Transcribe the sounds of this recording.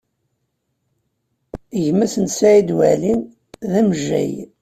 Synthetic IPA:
ʝmæsənsæid̪wælin | ðæmʒæ̰j

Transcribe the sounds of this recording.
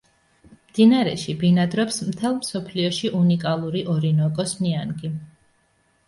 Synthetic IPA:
md̪̥inaɾɛ̰ʃibinad̪ɾɔpsmt̪ʰɛlˠmsɔpʰliɔʃiʔunikʼalˠuɾiʔɔɾinɔkʼɔsnianɡi

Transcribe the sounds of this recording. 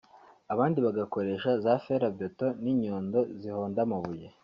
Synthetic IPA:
aβaːndiβaɡako̞ɾe̞ːʃazafeɾaboto̞niɲoːndo̞ziho̞ːndamaβuje

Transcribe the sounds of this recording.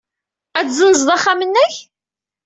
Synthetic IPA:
æt͡szənəzðˤɑχːamənːæç

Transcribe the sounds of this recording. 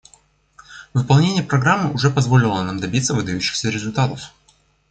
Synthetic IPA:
vɨpɐlˠnʲenʲɪjəpɾɐɡɾamːɨʔʊʐɛpɐzvo̞lʲɪlˠənamd̪ɐbʲit̪səvɨd̪ɐjʉɕːɪ̥xsʲəɾʲɪzʊlʲt̪at̪əf

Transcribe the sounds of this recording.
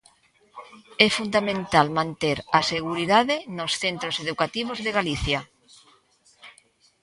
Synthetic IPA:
ɛfund̪amẽnt̪almãnt̪eɾaseɣuɾiðaðenosθent̪ɾoseðukat̪iβ̞ozðeɣaliθja

